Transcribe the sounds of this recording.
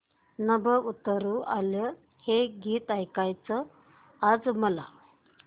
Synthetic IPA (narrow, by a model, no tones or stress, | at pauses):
nəbəut̪əɾuʔalə | heɡiːt̪ajkajt͡səː | d͡zməla̰